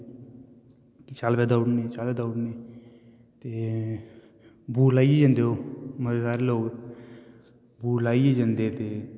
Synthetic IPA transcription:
kit͡ʃaːlpɛːd̪aːʊɽneːt͡ʃaːlpɛːd̪aːʊɽneː | t̪eː | bʱuːlaːied͡ʒənd̪eɦoːməsaːɾeloːɡ | buːlaːieːd͡ʒənd̪et̪eː

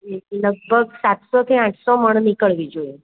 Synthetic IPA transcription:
ləɡ̚bʱəɡsat̪sɔt̪ʰiãʈʰsɔməɳ̃nikəɭʋid͡ʒoe

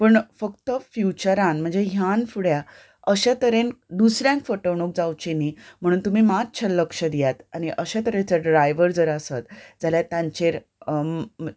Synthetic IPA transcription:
pəɳfəkt̪əfjut͡ɕəɾãnm̤əɳd͡zeɦjanfuɽja | əɕat̪əɾend̪usɾjãŋkfəʈəʋɳ̃ok̚d͡zawt͡ɕenim̤əɽ̃uːnt̪umiːmat̪̚t͡ɕʰəlːəkʂəd̪ijat̪añiʔəɕat̪əɾẽt͡səɖɾajʋəɾd͡zəɾəsat̪d͡zaljat̪ãɲt͡ɕeɾ

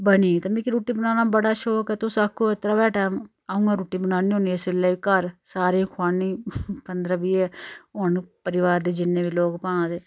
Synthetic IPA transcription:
bəniːt̪əmiːkiɾuːʈiːbənaːnaːbəɽaːʃoːkɛːt̪õːsəkʰːoɪt̪ɾaːbɛːʈaːm | aːũːŋɡaːɾuːʈiːbənaːniːɦõːnieselːeːikəɾsaːɾẽkʰʊaːniːpənd̪ɾəːbiːɛːonpəɾɪʋaːɾd̪eːd͡ʒɪnːẽːbiːloːkpãːd̪eː

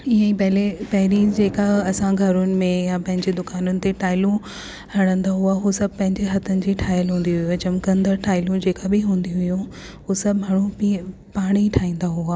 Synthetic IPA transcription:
ɪɦə̃ipɐɦɪlepɐɦɪɾid͡ʑeːkaɐsãɡʱɐɾʊnɪ̆mẽjapɐ̃ɦɪ̃ɲd͡ʑed̪ʊkaːnʊnɪ̆t̪eʈʰaːɪlũ | hɐɽ̃ə̃nd̪aɦuaɦusɐb̚ʱpɐ̃ɦɪ̃ɲd͡ʑeɦɐt̪ʰənɪ̆d͡ʑiːʈʰaːɪjəlɦũːn̆d̪iɦʊjut͡ɕɐmkə̃nd̪əɾʈʰaːɪlũd͡ʑeːkabɪɦũːnd̪iɦʊjũ | ɦusɐbɡʱɐɽ̃ũpi | paːɽ̃iʈʰaːĩːn̆d̪aɦuaː

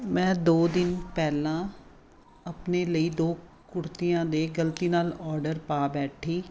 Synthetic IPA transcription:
mɛ̃ːd̪oːd̪ɪnpɛːlãː | əpneːləiːd̪oː | kʊɾt̪ijãːd̪eːɡəlt̪iːnaːlɔːɾɖəɾpaːbɛːʈʰiː

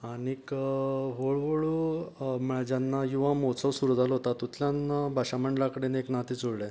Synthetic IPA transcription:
aɽ̃ikəʋoɭʋoɭuməɭad͡ʑanːajiʋamot͡səʋsuɾud̪ʱalɦot̪at̪ːut̪ljanːabʱaɕaməɳɖlakəɽeneknat̪iːt͡soɽɭẽ

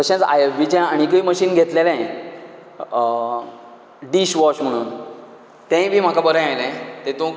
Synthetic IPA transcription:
t̪əɕãt͡sa̰jeʋit͡ɕãaɽ̃ikəiməɕiːnɡʱet̪lelãj | ɖiɕʋɔɕm̤əɽ̃uːn | t̪ɛ̃jbʱiːm̤akabəɾə̃ajlãt̪et̪õ

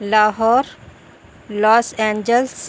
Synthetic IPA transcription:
laːɦɔːɾ | lɔːsẽːɲd͡ʒəls

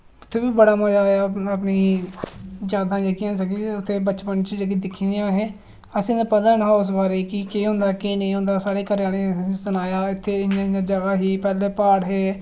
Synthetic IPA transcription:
ʊt̪ʰːeːbiːbəɽaːməd͡ʒaːjaəpniː | d͡ʒaːd̪ãːd͡ʒekɪjãːsəɡiːʊt̪ʰːeːbət͡ʃpənt͡ʃid͡ʒekɪd̪ɪkʰːiːd̪ejãːɦeː | əsĩːd̪apəd̪əɳɦaːʊs̬baːɾeːkikeːɦʊ̃nd̪aːkenẽːɦʊ̃nd̪aːsaːɽeːkəɾjaːneːsənaːjaːɪt̪ʰːeːɪnãaːd͡ʒəɡaːɦiːpɛːleːpaːɽɦeː

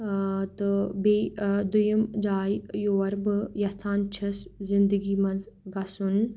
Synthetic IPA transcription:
t̪ɨbed̪ujəmd͡ʒaːjjoːʋɐɾbɨjɐt̪ʰaːnt͡ʃʰɐszɪnd̪əɡiːmɐz | ɡasun

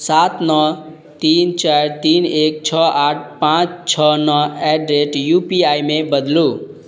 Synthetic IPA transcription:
sat̪nʌ | t̪int͡ʃaɾt̪inek̚t͡ʃʰʌaʈ̚ʰpãt͡st͡ʃʰʌnʌeɖɾeʈjupiajmebʌd̪lu

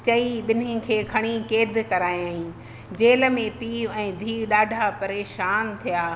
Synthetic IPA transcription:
t͡ɕɐiɓɪnɪ̃kʰeːkʰɐɽ̃ikeːd̪kɐɾaːiaːɦĩ | d͡ʑeːlə̆mẽpiːɛ̃ːd̪ʱiːɗaːɖʱapɐɾeːʃaːnt̪ʰijaː

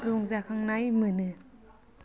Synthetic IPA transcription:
ɾuŋzakʰaŋnajmɯːnɯ

